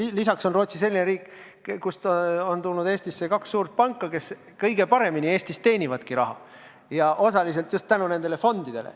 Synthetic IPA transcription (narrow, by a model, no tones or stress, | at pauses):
lisɑkso̞nro̞ːt̪sis̬e̞lːineɾiːkːˑ | kust̪ont̪ulnud̪̥e̞ːst̪isːekɑksːuːrt̪̚pɑŋkːˑɑke̞s | kɤ̞jɡ̥e̞pɑɾe̞minie̞ːst̪ist̪e̞ːnʲivɑd̪kiɾɑ̰ɦɑ̰ | jɑʔo̞sɑlis̬e̞lt̪just̪t̪ænune̞nd̪e̞le̞fo̞nd̪̥id̪̥e̞lḛ